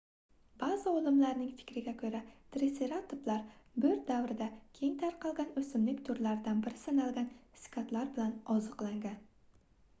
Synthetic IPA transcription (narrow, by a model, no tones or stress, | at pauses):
b̥azaolˠɪmlaɾnɪŋfɪ̥kʲɾɪɡʲakʲʰɵɾat̪ɾeseɾat̪ʰʊplaɾbɵɾt̪̚d̪awɾɪd̪akʲʰe̞ŋt̪ʰaɾqʰɑlˠɡʲanɵsɪmlɪkʲt̪ʰʊɾlaɾɪd̪anbɪɾɪsanalˠɡʲanskʲʰat̪laɾbɪlanɒzɨqlˠaŋɡʲan